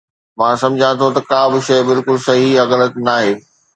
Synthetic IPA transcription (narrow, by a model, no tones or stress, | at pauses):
mãːsɐ̃md͡ʑʱãt̪ʰot̪ɐkaːbɪʃɐjbɪlkʊlsɐɦiɐɡənəknaːɦeː